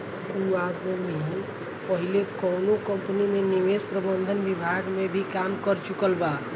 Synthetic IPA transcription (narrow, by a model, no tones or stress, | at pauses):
suad̪məmẽ | pəɦilekənokəmpənimeniʋespɾəbənd̪ʱənbibʱaɡmebʱikamkəɾt͡ʃukəlba